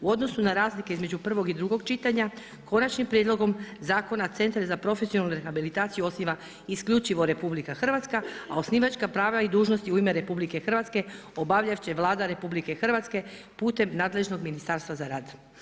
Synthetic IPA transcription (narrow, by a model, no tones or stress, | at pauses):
uo̞d̪no̞sunaɾaːzlike̞izme̞d͡ʒupr̩ʋo̞ɡid̪ɾuɡo̞ɡt͡ʃit̪aɲa | ko̞nat͡ʃnimpɾjed̪lo̞ɡo̞mzaːko̞nat̪se̞nt̪ɾezapɾo̞fesionalnuɾexabilit̪aːt̪sijuo̞sniʋa | iskʎut͡ʃiʋo̞ɾe̞publikaxr̩ʋat̪skaao̞sniːʋat͡ʃkapɾaːʋlaid̪uːʒno̞st̪iuime̞ɾe̞publike̞xr̩ʋat̪ske̞ | obaʋʎaʋt͡ɕeʋlˠaːd̪aɾe̞publike̞xr̩ʋat̪ske̞puːt̪e̞mnaːd̪le̞ʒno̞ɡminist̪aːɾst̪ʋazaɾaːd̪